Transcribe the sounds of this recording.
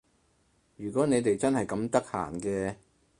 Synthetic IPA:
jyː˨˩kʷɔː˨˥ne˨˧jt̪e˨jt͡sɐ˥nhɐ˨jkɐ˨˥mt̪ɐ˥k̚ha̰ː˨˩nkɛː˧

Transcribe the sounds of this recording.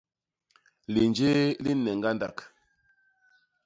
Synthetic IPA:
li˨nd͡ʒe˦li˦nɛ˨ŋɡa˦nda˨k

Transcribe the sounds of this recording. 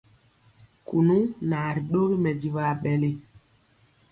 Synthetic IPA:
ku˨nu˦na˨ɾi˨ɗo˦ɣi˦mɛ˨di˨va˨ɓɛ˨le˦

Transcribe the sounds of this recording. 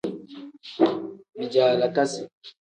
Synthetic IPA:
bi˨d͡ʒaː˨la˨ka˦si˨

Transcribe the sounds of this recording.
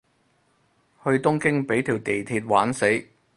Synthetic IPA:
hɵ˧ɥt̪ʊ˥ŋkɪ˥ŋpe˨˥jt̪ʰiː˨˩wt̪e˨˩jt̪ʰiː˧t̚waː˨˥nse˨˥j

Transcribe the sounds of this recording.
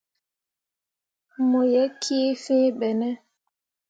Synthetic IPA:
mo˨jɛ˨˦kʰi˦fĩ˦ɓɛ˨nɛ˦

